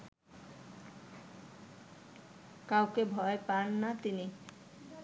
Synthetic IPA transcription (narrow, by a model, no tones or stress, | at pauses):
kawkebʱɔepanːat̪ini